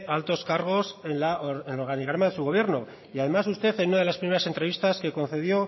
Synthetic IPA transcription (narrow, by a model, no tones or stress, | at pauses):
alt̪o̞skaɾɣ̞o̞senlaoɾenloɾɣaniɣɾamaðe̞suɣo̞βje̞ɾno | iað̞e̞mas̬ust̪e̞θe̞nunað̞elaspɾimeɾase̞nt̪ɾe̞βist̪aske̞ko̞n̟θe̞ð̞jo̞